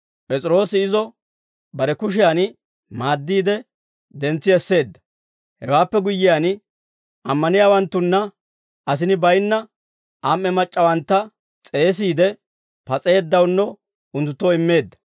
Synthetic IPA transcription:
pʼɛt͡sʼɪɾo̞ːsɪɪzɔ | bɐɾɛkʊʃ̬ɪjan | maːd̪ːiːd̪ɛ | d̪ɛnt͡sːɪɛsːe̞ːd̪ːɐ̥ | hɛwaːpːɛɡʊjːɪjan | ʔɐmːɐnɪjaːwɐnt̪ːʊnːɐ | ɐs̬ɪnɪbɐjnːɐ | ʔamːɛmɐt͡ʃʼːɐwɐnt̪ːɐ | t͡sʼe̞ːs̬iːd̪ɛ | pɐt͡sʼeːd̪ːɐwnːɔ | ʊnt̪ːʊt̪ːoːɪmːe̞ːd̪ːɐ̥

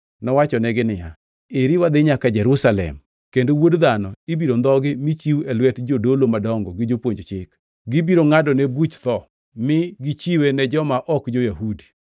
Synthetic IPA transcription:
nɔwat͡ʃɔnɛɡɪnɪja̰ | eɾiwad̪ɪɲakad͡ʒɛɾusalɛ̰m | kendowodd̪anɔibiɾond̪ɔɡɪmit͡ʃiwɛlwɛtd͡ʒodolomadɔŋɡɔɡɪd͡ʒopwoɲd͡ʒt͡ʃɪk | ɡɪbiɾoŋadɔnebut͡ʃt̪ɔ | mɪɡɪt͡ʃiwenɛd͡ʒɔmaʔɔkd͡ʒojahudi

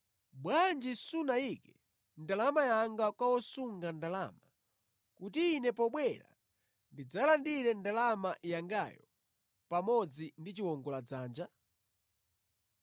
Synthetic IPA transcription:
ɓwand͡ʒisunaikɛ | ndalamajaŋɡakwawɔsuŋɡandalama | kutiːnɛpɔɓwɛɾa̰ | ndid͡zalandiɾɛndalamaʔjaŋɡajɔ | pamɔd͡zindit͡ʃiwɔŋɡɔlad͡zaːnd͡ʒa

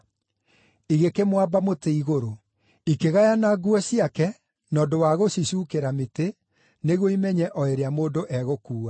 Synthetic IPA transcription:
iɣekemwabamoteiɣoɾo | ikeɣajanaɡuɛsiakɛ | nɔːdowaɣosisukeɾamete | neɣoimɛɲɛʔɔeɾeamoːdoʔɛɣokuːa

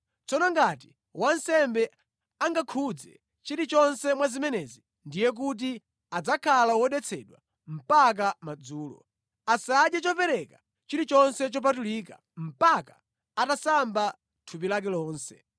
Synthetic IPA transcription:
t͡sɔnɔŋɡat̬i | wʔan̩sɛmbɛ | aŋɡakʰud͡zɛ̰ | t͡ʃiɾit͡ʃɔnsɛmwazimɛnɛzi | ndijɛk̬ut̬i | ad͡zakʰalawɔɗɛt͡sʰɛɗwa̰ | m̩pak̬amad͡zuːlɔ̰ | asaɗjat͡ʃɔpɛɾɛka | t͡ʃiɾit͡ʃɔnsɛt͡ʃɔp̬atulika̰ | m̩pakḁː | tasamba | tʰupilak̬ɛlɔːnsɛ

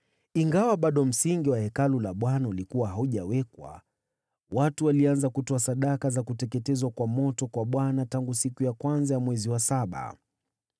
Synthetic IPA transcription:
iŋɡawaɓaɗɔm̩siŋɡiwahɛkalulaɓwanaulikuwaɦauʄawɛkwa̰ | watuwalianzakutɔasaɗakazakutɛkɛtɛzwakwamɔtɔkwaɓwanataŋɡusikujakwanzajamwɛziwasaɓa̰

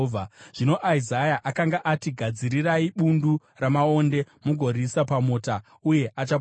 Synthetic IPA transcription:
aʐ̥ino̞ʔaizajaʔakaŋɡaʔatiɡʱad͡ziɾiraiɓundu | ramao̞nde̞ | muɡʱo̞ɾisapamoːta | uje̞ʔat͡ʃa

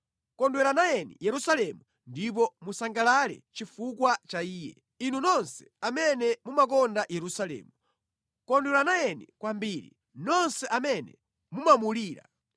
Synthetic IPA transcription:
kɔndwɛɾanajɛnḭjɛɾusalɛmu | ndip̬ɔmusaŋɡalalɛ̰t͡ʃifukwat͡ʃaiːjɛ̰ | inunɔnsɛ̥amɛnɛmumakɔndajɛɾusalɛ̰ːmu | kɔndwɛlanajɛnḭkwambiɾḭ | nɔnsɛʔamɛnɛ̰ | mumamuliːɾa̰

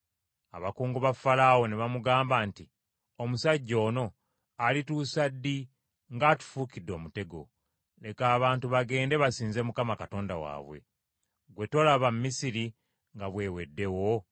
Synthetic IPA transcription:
a̰βakuːŋɡuβafalaːwo̞neβamuɡaːmbaːnti | omusaɟːo̞ːno̞ | alituːsadːi | ŋɡatu̥fuːkidːo̞mute̞ɡo̞̰ | ne̞kaːβaːntuβaɡe̞ːnde̞βasiːnze̞mukamakato̞ːndawa̰ːβwe̞̰ | ɡwe̞to̞laβammːisiɾi | ŋɡaβwe̞ːwe̞dːe̞wo̞

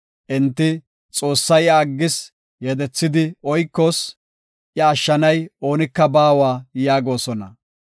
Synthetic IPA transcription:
ʔɪnt̪ːɪ | t͡sʼo̞ːsːɐjɐːɡːɪs | jɛd̪ɛt͡sːɪd̪ɪɔjkːos | ʔjɐːʃːɐnɐjo̞ːnɪkːɐbaːwaːjaːɡo̞ːsɔnɐ̰

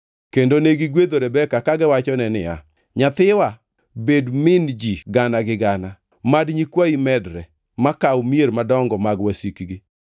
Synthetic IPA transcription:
kendoneɡɪɡwed̪oɾɛbɛkakaɡɛwat͡ʃɔnɛnɪ̰a̰ | ɲat̪ɪwa | bedmɪnd͡ʒiɡanaɡɪɡana | madɲikwaimɛdɾɛ | makawmieɾmadɔŋɡɔmaɡwasikɡɪ

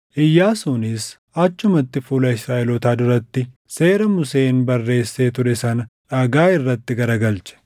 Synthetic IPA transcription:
ʔɪjːaːsuːnɪs | ʔɐt͡ʃːʊmɐt̪ːɪfuːlɐɪsɾaːʔɛlɔt̪aːd̪ʊɾɐt̪ːɪ | se̞ːɾɐmʊse̞ːnbɐrːe̞ːsːe̞ːt̪ʊɾɛsɐnɐᶑɐɡaːɪrːɐt̪ːɪɡɐɾɐɡɐlt͡ʃɐ̥

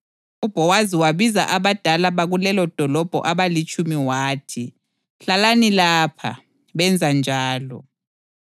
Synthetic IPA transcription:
ub̥ʱɔwaziwaβiza̰ʔaβad̥ʱalaβaɣulɛlɔd̥ʱɔlɔb̥ʱɔ̰ʔaβalit͡ʃʼumiwaːtʰi | ɬalanilaːpʰa̰ | βɛnd͡zʱand͡ʒʱaːlɔ̰

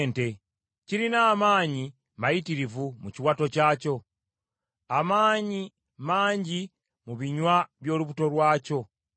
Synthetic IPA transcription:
nte̞ | ciɾinaːmaːɲi | majitiɾivumuciwato̞caːco̞ | amaːɲi | maːɲɟi | muβiɲwaβjo̞ːluβuto̞ɾwaːco̞

